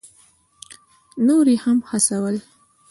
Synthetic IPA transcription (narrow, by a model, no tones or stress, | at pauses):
noɾehamhasawəl